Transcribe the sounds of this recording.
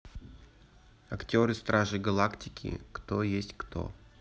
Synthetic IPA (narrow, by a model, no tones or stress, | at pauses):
ɐktʲo̞ɾɨst̪ɾaʐɨɡɐlˠaktʲɪkʲɪ̰kt̪ojesʲtʲkt̪o̞̰